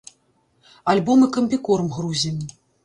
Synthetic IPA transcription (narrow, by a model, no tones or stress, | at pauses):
alʲbɔmɨkɐmʲpʲikɔrmɣɾuzʲimʲ